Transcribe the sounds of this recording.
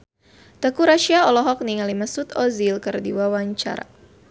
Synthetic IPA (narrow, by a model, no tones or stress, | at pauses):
t̪əkuɾaʃiaɔlɔɦɔk̚niŋalimasut̪ɔzilkɨrdiwawaɲt͡ʃa̰ɾa̰